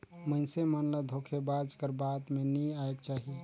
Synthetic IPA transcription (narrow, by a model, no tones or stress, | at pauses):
məɪnsemənləd̪ʱokʰebad͡ʒkəɾbat̪meniaekt͡ʃaːɦie